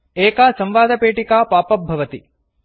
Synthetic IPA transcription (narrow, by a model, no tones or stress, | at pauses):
eːkaːsɐmʋaːd̪ɐpeːʈikaːpaːpɐɐʋɐt̪i